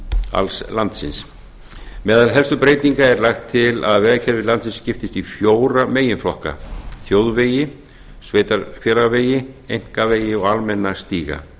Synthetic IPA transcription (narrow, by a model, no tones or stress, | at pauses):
a̰lslant̪sɪ̰ns | mɛːðalɦɛlsʏpɾeːjt̪niŋkaɛɾlaxt̪ʰːɪla̰ðvɛðacʰɛɾvɪlant̪sɪnscɪft̪ɪst̪ifjoːwɾameːjɪnflɔhka̰θjoːwðveːjɪ | sveːjt̪aɾfjɛlaveːjɪejŋ̥kaveːjɪɔɣalmɛnːast̪iːɣa̰